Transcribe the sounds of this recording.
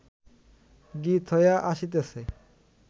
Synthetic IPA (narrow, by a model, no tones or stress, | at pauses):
ɡit̪ʰɔjaʔaʃit̪̬esʰe